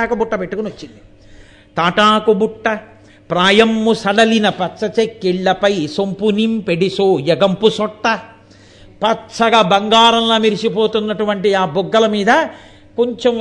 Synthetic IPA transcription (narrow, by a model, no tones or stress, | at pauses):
aːkɐbuʈːɐpeʈːukuniʋɐt͡ʃːind̪i | t̪aːʈaːkubuʈːɐ | pɾaːjɐmːusɐɽɐlinɐpɐtsɐt͡ʃekːiɭːɐpɐjsompunimpeɽisoːjɐɡɐmpusɔʈːɐ | pɐtːt͡ʃɐɡaːbɐŋɡaːɾɐmlaːmiɾisipoːt̪unːɐʈuʋɐɳʈiaːbuɡːɐlɐmiːd̪ɐ | ko̞ɲt͡ʃem